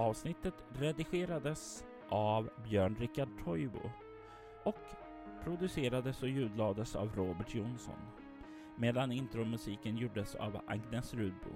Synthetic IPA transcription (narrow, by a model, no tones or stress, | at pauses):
ɑːvsnɪt̪ːət̪ɾɛd̪ɪɧeːɾad̪əs | ʔavbjœːɳɾɪkːaɖ̚ʈʰɔjbʊ̰ | ɔk | pʰɾʊd̪ɵseːɾad̪əsɔjʉ̟ːd̪lɑːd̪əsa̰vɾoːbɛʈʰjʊnsɔ̰n | meːd̪anɪnt̪ɾʊmɵsiːkənjuːɖəsa̰vʔa̰ɡnɛsɾʉ̟ːd̪̚bṵː